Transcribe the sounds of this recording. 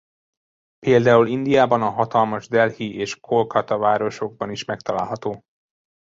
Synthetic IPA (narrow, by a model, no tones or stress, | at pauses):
peːld̪aːulind̪ijaːbɒnɒɦɒt̪ɒlmɒʒd̪ɛlhiʔeːʃkʰo̞lkɒt̪ɒvaːɾo̞ʃo̞ɡ̚bɒniʃmɛk̚t̪ɒla̰ːlɦɒt̪oː